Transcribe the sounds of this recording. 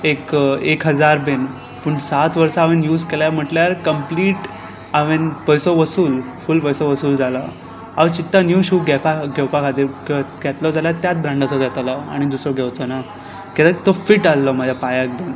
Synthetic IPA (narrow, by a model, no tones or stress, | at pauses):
ekekɦəd͡zaɾben | puːɳsat̪ʋəɾsaːʋenjuːd͡zkeljam̤əʈljaɾkəmpliːʈ | aʋenpəjsɔʋəsuːl | fulpəjsɔʋəsuːld͡zala | a̰ʋt͡ɕit̪ːanjuɕuːɡɛpaɡʱɛwpakʰat̪iːɾɡɡʱɛt̪lɔd͡zaljat̪jat̪̚bɾãɳɖat͡sɔɡʱɛt̪alaa̰ɽ̃id̪usɾɔɡʱɛwt͡sɔna | kɛt̪ət̪ofiʈalːɔm̤əd͡ʑʱjapajak̚ben